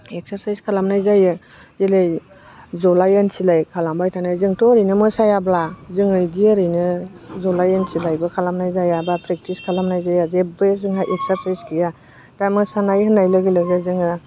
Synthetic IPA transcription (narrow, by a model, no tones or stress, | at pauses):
ek̚saɾsajskʰalamnajzajɯ | zelej | zɔlajensilajkʰalambajtʰanajzɯŋtʰɔɾɯjnɯmɯsajablazɯŋɯjdiəɾɯjnɯ | zɔlajensilajbɯkʰalamnajzajabapʰɾek̚tʰiskʰalamnajzajazebezɯŋɦajʔek̚saɾsajskʰija | d̥amɯsanajhɯnajlaɡilɯɡazɯŋɯ